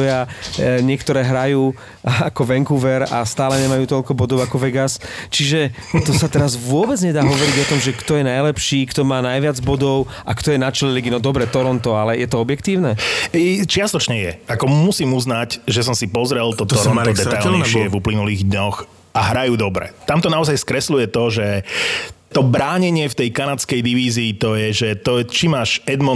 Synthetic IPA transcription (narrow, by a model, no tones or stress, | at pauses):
jaɲɪɛkt̪ɔɾɛːɦɾajuː | akɔʋɛŋkuʋɛɾast̪aːlɛɲɛmajuːt̪ɔʎkɔbɔd̪ɔʊakɔʋɛɡast͡ʃiʒɛ | t̪ɔsat̪ɛɾazʋʊɔbɛd͡zɲɛd̪aːɦɔʋɔɾiɟɔt̪ɔmʒɛkt̪ɔjɛnajlɛpʃiːkt̪ɔmaːnajʋɪad͡zbɔd̪ɔʊ | ʔakt̪ɔjɛnat͡ʃɛlɛliɡinɔd̪ɔbɾɛt̪ɔɾɔnt̪ɔalɛjɛt̪ɔɔbjɛkt̪iːʊnɛɛjt͡ʃɪast̪ɔt͡ʃɲɛjɛ̰akɔmusiːmuznacʒɛs̬ɔmsipɔzɾɛlt̪ɔt̪ɔɾɔnt̪ɔd̪ɛajlɲɛʃɪɛvuplinuliːɣd̪ɲɔx | aɦɾajuːd̪ɔbɾɛ̰t̪amt̪ɔnaɔzajskɾɛslujɛt̪ɔʒɛ | t̪ɔbɾaːɲɛɲɪɛft̪ɛjkanat͡skɛjd̪iʋiːziːt̪ɔjɛʒɛt̪ɔt͡ʃimaːʃɛd̪mɔ